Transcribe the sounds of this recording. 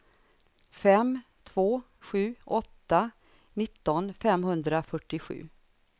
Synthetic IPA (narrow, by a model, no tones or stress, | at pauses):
fɛm | t̪ʰvoː | ɧʉ̟ːʔɔt̪ːa | nɪt̪ːɔnfɛmɦɵnd̪ɾafœʈːɪɧʉ̟̰ː